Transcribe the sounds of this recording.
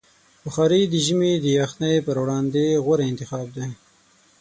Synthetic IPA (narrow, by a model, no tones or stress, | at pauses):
bʊxɑɾid̪əʒimed̪əjɑxnajpəɾwɽɑnd̪eɣaɾeɪnt̪ɪxɑːb̚d̪e